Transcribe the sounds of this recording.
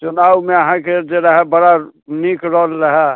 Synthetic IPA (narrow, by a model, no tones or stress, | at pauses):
t͡ʃunaːwmeəɦãked͡ʒeɾaɦɛbəɽanikɾɔːlɾəɦɛ